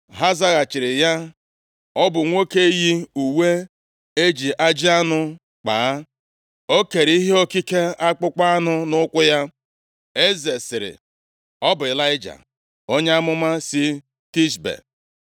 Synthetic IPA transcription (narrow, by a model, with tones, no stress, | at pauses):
ɦa˦za˦ɣa˨t͡ʃɪ˨ɾɪ˨ja˦ | ɔ˦bʊ˨ŋʷo˦ke˦ji˦u˨we˦ | e˦d͡ʒi˨ʔa˦d͡ʒi˦a˦nʊ˦ | k͡paː˨˦ | o˦ke˨ɾi˦ɦe˦o˦ki˦ke˦a˦k͡pʊ˦k͡pa˦a˦nʊ˦nʊ˦kʷʊ˦ja˦ | e˦ze˨sɪ˨ɾɪ̰˨ | ɔ˦bʊ˨ɪ˨la˦ɪ˦d͡ʒa̰˨ | o˦ɲe˦a˦mʊ˦ma˦sɪ˦ | ti˦sbḛ˨